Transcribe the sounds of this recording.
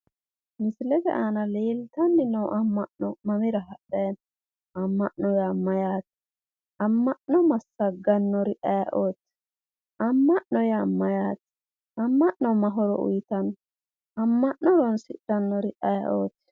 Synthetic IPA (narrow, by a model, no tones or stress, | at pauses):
mɪslɛt̪ɛ̰ʔaːnɐleːlt̪ɐnːɪnɐwʔɐmːɐʔnɔmɐmɪɾɐɦɐɗɐjɐn | ɐmːɐʔnɔjamːɐjaːt̪ɪ̥ | ɐmːɐʔnɔmɐsːɐɡɐnːɔɾɪʔɐjɐʔoːt̪ː | ɐmːɐʔnɔjamːɐjaːt̪ | ɐmːɐʔnɔmɐɦɔɾɔ̰ʔʊ̰jt̪ɐn | ɐmːɐʔnɔɾɔnsɪɐnːɔɾɪʔɐjɐ̰ʔoːt̪ː